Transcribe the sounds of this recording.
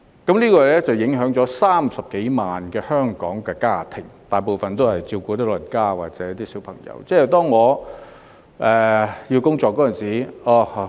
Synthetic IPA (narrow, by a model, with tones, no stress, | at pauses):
kɐ˨˥mliː˥kɔː˧lɛː˥t͡sɐ˨wjɪ˨˥ŋɦœː˨˥ŋt͡sɔː˨˥saː˥msɐ˨p̚ke˨˥jmaː˨nkɛː˧hœː˥ŋkɔ̰ː˨˥ŋkɛː˧kaː˥˩t̪ʰɪ˨˩ŋt̪aː˨˩jpo˨wfɐ˨nt̪o˥whɐ˨jt͡siː˧kuː˧t̪ɐː˥lɵ˨˩nkaː˥wa̰ː˨k̚t͡sɛː˨˦jɐ˥t̪iː˥siː˨˥wpʰɐ˨˩ŋjɐ̰˨˧˥wt͡sɛː˥ɛ˨˩t̪ɔː˥ŋːɔː˨˧ | ʔɛː˨˩jiː˧wkʊ˥ŋt͡sɔː˨˧kːɔː˨˥ɐ˨nsiː˨˩ɔː˧